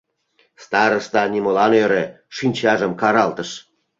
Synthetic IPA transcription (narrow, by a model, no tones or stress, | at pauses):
st̪ɑɾə̆st̪ɑnʲimolɑnjøɾe | ʂinʲt͡ɕɑʒə̆mkɑɾɑlt̪ə̆ʃ